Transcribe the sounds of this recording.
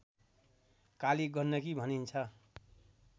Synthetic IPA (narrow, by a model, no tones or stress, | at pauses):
kaliɡʌrnːʌkibʱʌnint͡sʰʌ